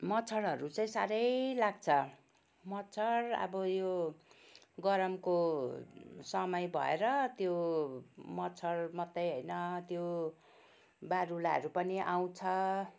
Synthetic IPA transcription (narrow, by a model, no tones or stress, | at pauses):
mʌt͡sʰʌɽʌɾut͡saĩsaɾʌjlaɡ̚t͡sʰʌ | mʌt͡sʰʌɽʌ̰bʌjo | ɡʌɾʌmko | sʌmʌjbʱʌ̰eɾʌt̪jo | mʌt͡sʰʌɽmʌt̪ːʌjɦojnʌt̪jo | baɾulaʌ̰ɾupʌniʔaw̃t͡sʰʌ